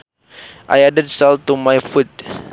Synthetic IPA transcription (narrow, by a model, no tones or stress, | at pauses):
ʔa̰jadəd̚sɛltumajfut̚